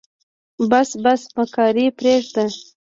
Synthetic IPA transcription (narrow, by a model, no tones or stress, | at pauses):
basbasməkɑɾipɾeʐd̪ə